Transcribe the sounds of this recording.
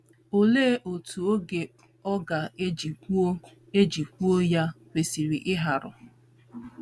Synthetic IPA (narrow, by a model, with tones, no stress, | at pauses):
o˨leː˦ʔo˨tu˨o˦ɡe˨ | ɔ˦ɡa˨˦ | e˦d͡ʒi˨kʷu˦o˦ja˦we˨si˨ɾi˨ʔɪ˦ɦa˨ɾʊ̰˨